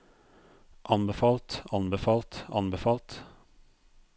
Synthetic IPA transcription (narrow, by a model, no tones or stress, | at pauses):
ʔɑnbəfɑːlt̪ɑnbəfɑːlt̪ɑ̰nbəfɑːlt̪